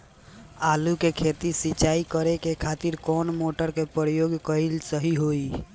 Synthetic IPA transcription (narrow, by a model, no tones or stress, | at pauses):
alukekʰet̪isit͡ʃaikəɾekekʰat̪iɾkɔnmoʈəɾkepɾjoɡkəilsəɦiɦoi